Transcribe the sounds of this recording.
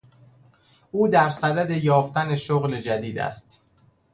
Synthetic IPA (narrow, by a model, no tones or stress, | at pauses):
ʔuːd̪æɾsæd̪æd̪e̞jɒːft̪æne̞ʃoɣled͡ʒæd̪iːd̪æ̰st̪